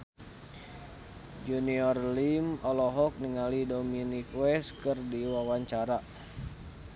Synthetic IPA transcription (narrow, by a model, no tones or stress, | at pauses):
d͡ʒuniɔrlimɔlɔɦɔk̚niŋalidominikwɛskɨrdiwawaɲt͡ʃaɾa